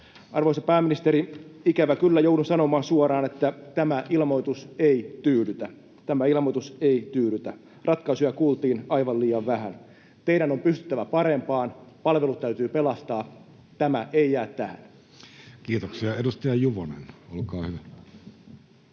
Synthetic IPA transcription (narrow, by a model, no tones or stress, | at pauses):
ʔɑrʋo̞isɑpæːminist̪eɾiikæʋækylːæjowdusɑno̞mɑːnsuoɾɑːne̞t̪ːæt̪æmæʔilmo̞jt̪useit̪yːlyt̪æ | t̪æmæilmojt̪useit̪yːlyt̪æ | rʔɑt̪kɑisujɑkuːlt̪iːnɑiʋɑliːɑʋʋæhæn | t̪e̞iɾæno̞mpyst̪yt̪ːæʋæpɑɾe̞mpɑːnpɑlʋe̞lut̪t̪ːæyt̪yːpelɑst̪ɑː | t̪æmæʔeijæːt̪ːæhæ̰n | kiːt̪oksiɑedust̪ɑjɑjuʋonḛnolkɑːhyʋæ